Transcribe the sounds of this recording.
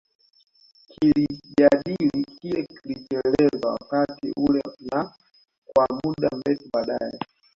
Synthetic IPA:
kʰiliʄaɗilikiɛkilit͡ʃɛlɛzawa̰katḭʔulɛna | kwamuɗam̩bɛtiɓaɗajɛ

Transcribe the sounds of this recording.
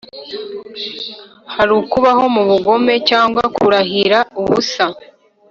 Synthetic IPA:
haɾukuβaho̞muβuɡo̞me̞caːŋɡwakʰuɾahiɾauβusa

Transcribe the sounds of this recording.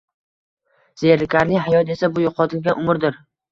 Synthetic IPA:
z̥eɾlɪkʲaɾnɪŋʲɦajɒt̪e̞sabʊjʊqʰɒt̪ʰɪlɡʲanʔʊmɪɾd̪ɪɾ

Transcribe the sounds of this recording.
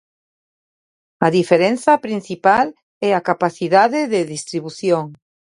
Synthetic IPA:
aðifeɾẽnθapɾin̟θipal | ɛakapaθiðaðeðeðist̪ɾiβuθjoŋ

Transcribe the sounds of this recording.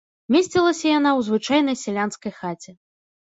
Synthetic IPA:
mʲesʲt͡sʲilˠɐsʲɐjan̪awzvɨt͡ʂajnɐjsʲɛlʲanskɐjxat͡sʲɛ

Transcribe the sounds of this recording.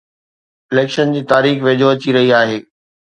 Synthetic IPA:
ɪleːkʃənd͡ʑiːt̪aːɾiːxʋeːd͡ʑʱoɐt͡ɕiɾɐɦiaːɦeː

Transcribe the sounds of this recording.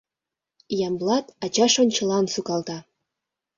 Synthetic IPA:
jɑmblˠɑt̪ɑt͡ɕɑʃŏnʲt͡ɕɤ̆lˠɑnsukɑlˠt̪ɑ

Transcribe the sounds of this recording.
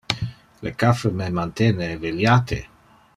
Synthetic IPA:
ləkafəmemant̪eneveljat̪ʰḛ

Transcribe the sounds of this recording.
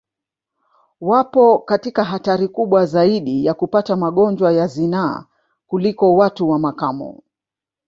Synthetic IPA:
wapɔkatikaɦataɾikuɓwazaiɗijakupatamaɠɔnd͡ʒwajazina̰ | kulikɔwatuwamakamɔ̰

